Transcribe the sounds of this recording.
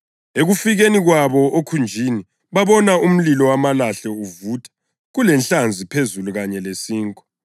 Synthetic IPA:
eɣufiɣeniɣwaβɔʔokʰund͡ʒʱini | βaβɔnaum̩lilɔwamalaɬɛuvutʰḁ | ɣulɛnɬand͡zʱipʰezuluɣaɲɛlesiːŋkʼɔ̥

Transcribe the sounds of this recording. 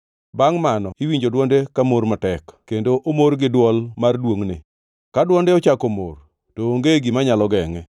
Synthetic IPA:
baŋmanɔiwiɲd͡ʒodwɔndekamormatɛkkendoʔomorɡɪdwɔlmardwoŋnɪ | kadwɔndeɔt͡ʃakomo̰r | toːŋɡeɡimaɲalɔɡɛŋɛ

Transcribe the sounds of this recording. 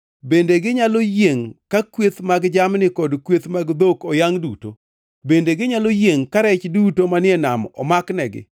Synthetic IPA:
bendeɡɪɲalojeŋkakwet̪maɡd͡ʒamnɪkɔdkwet̪maɡd̪okɔjaŋduto̰ | bendeɡɪɲalojeŋkaɾɛt͡ʃdutomanɪɛnamɔ̰maknɛɡɪ̰

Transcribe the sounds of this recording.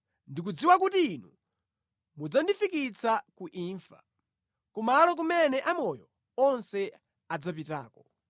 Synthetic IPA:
ndik̬ud͡ziwak̬utiːnu | mud͡zandifikit͡sʰakuʔiɱfa̰ | kumalɔk̬umɛnɛʔamɔjɔ | ɔnsɛ | ad͡zapita̰ːkɔ

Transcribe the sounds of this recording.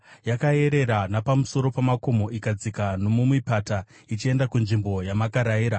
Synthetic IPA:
jakaje̞ɾe̞ɾanapamuso̞ɾo̞pamako̞mo̞ʔikad͡zikanomumwipata | it͡ʃie̞ndakunʐimbo̞jamakaɾajiːɾa

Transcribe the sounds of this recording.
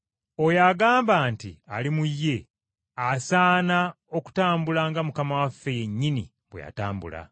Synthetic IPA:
ojaɡaːmbaːntḭalimujːe̞ | asaːna | o̞ku̥taːmbulaŋɡamukamawafːe̞je̞ɲːinḭ | βweja̰taːmbṵla̰

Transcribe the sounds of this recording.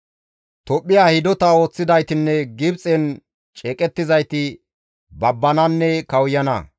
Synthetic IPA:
t̪ɔpʼːɪjaːhɪd̪ɔt̪ɐo̞ːt͡sːɪd̪ɐjt̪ɪnːɛɡɪbt͡sʼɛn | t͡ʃʼɛːkʼɛt̪ːɪzɐjt̪ɪ | bɐbːɐnɐnːɛkɐwjɐnɐ̰

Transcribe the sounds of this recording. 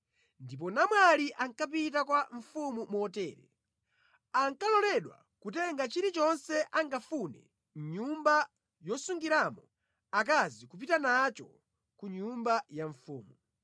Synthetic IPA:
ndip̬ɔnamwaliʔaŋkap̬itakwaɱfumumɔtɛːɾɛ̰ | aŋkalɔlɛɗwa̰ | kutɛŋɡat͡ʃiɾit͡ʃɔnsɛʔaŋɡafunɛ̰ | ɲumba | jɔsuŋɡiɾamɔ | ak̬azikup̬itanat͡ʃɔ | kuɲumbajaɱfuːmu

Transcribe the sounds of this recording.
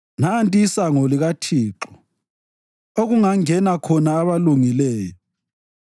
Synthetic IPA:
nantʼiːsaŋɔliɣatʰiːǁɔ | oɣuŋaŋɛnakʰɔnaːβaluŋilɛːjɔ

